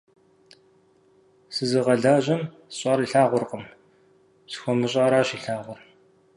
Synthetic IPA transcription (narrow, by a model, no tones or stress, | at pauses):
sɨzɨʁɐɮaːʑɐm | ɕʼaːɾiɬaːʁʷʊrqəm | sxʷɔmɨɕʼaːɾaːɕiːɬaːʁʷʊr